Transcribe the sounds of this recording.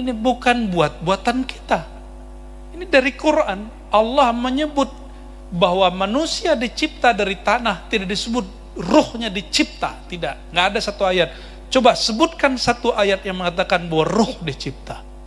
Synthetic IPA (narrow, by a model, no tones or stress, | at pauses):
inibukanbuat̪̚buat̪ankit̪a | inidaɾikuɾan | ʔalːahməɲəbʊt̪̚ | baɦwamanusiadit͡ʃip̚t̪adaɾit̪anaht̪idaʔdisəbʊt̪̚ | rʊhɲadit͡ʃip̚t̪a̰t̪idaʔŋɡaʔːdasat̪uajat̪̚ | t͡ʃobasəbʊt̪̚kansat̪uʔajat̪̚jaŋməŋat̪̬akanbahwarʊhdit͡ʃip̚t̪a